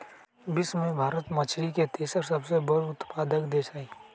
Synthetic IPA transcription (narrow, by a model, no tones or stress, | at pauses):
bɪsmẽbʱaːɾət̪mɐt͡ʃʰɾiket̪eːsəɾsɐbsebəɽʊt̪paːd̪əkd̪eːsaːiː